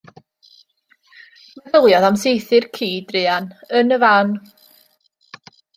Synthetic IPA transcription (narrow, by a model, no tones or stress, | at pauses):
mɛvəlˠjɔðamsejθɨrkʰiːdrɪːanənəvan